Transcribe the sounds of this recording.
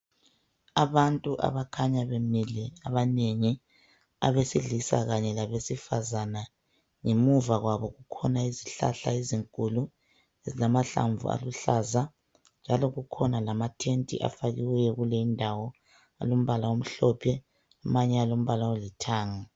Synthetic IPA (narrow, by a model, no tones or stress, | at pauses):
aβantʼuʔa̰βakʰaɲaβemilɛaβaneŋi | a̰βesiɮisa̰ɣaɲɛlaβesifazana | ŋemuvaɣwaβɔɣukʰɔnaiziɬa̰ɬa̰eziŋkʼulu | ezilamaɬa̰ɱvṵa̰luɬaza | nd͡ʒʱalɔɣukʰɔnalamatʰentʼḭʔa̰faɣiwɛjɛɣuleindʱawɔ | a̰lom̩βalawom̩ɬɔpʰɛ | amaɲɛalom̩βalawolitʰaːŋa